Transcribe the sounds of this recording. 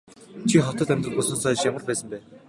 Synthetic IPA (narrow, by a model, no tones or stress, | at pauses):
t͡ɕʰiχɔt̪ə̆t̪æmʲt̪rə̆ʊsə̆nsɔːjt͡ɕjamə̆rpæːsə̆mpæːn